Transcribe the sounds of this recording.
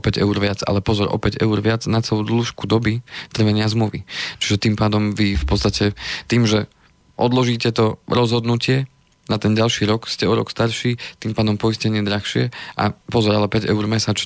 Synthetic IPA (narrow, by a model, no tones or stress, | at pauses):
pɛɟɛ̰uɾʋɪad͡za̰lɛpɔzɔɾʔɔ̰pɛɟɛ̰uɾʋɪad͡znat͡sɛlud̪luːʃkud̪ɔbit̪r̩ʋɛɲɪazmluʋit͡ʃi̥ʒɛt̪iːmpaːd̪ɔmʋifpɔtt͡st̪acʰɛt̪iːmʒɛ | ʔɔd̪lɔʒiːcɛt̪ɔɾɔzɦɔd̪nucɪɛ | nat̪ɛnɟalʃiːɾɔkscɛɔɾɔ̰kst̪aɾʃiːt̪iːmpaːd̪ɔmpɔiscɛɲɪɛd̪ɾaxʃɪɛʔa̰pɔzɔɾalɛpɛɟɛuɾmɛsaːt͡ʃ